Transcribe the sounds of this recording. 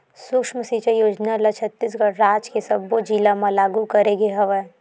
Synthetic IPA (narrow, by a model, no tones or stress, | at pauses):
sʊkʃməsit͡ʃəjoːd͡ʒnalat͡ʃʰət̪ːis̬ɡəɽɾaːd͡ʒkesɐbːod͡ʒilamãlaːɡukɐɾeɡeɦɐʋɛ